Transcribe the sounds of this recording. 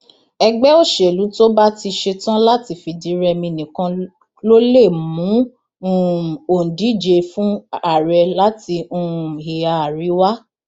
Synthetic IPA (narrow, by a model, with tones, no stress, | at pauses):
ɛ˧ɡ͡bɛ˦o˦˨ʃe˨lu˨˦to˦ba˦ti˧ʃe˧tã˦la˦ti˧˨fi˨di˨˦ɾɛ˧mĩ˧nĩ˨kã˧ | lo˦le˦˨mũ˨˦ | o˨n̩˨di˨˦d͡ʒe˧fũ˦a˦˨ɾɛ˧la˨˦ti˧ũ˦˨hi˨a˨a˨ɾi˨˦wa˦